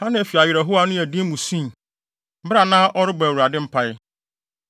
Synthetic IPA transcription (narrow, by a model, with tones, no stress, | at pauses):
hã˦nɪ̃˨æ˨fi˨a˨ɥɪ˨ɾɛ˨ɦʊ˦a˦nʊ̃˦æ˨dĩ˦mũ˨sĩ˦˨ | m̩˦bɪ˦ɾa˨nã˦ʔɔ˦ɾɪ˦ba˨wu˨ɾa˨dɪ̃˦m̩˦pʰa˦jɪ˦